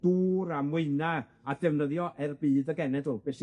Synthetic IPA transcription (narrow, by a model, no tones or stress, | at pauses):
d̥uːɾamɨɨna | adɛvnəðjɔʔɛrbiːðəɡɛnɛdob̥ɛs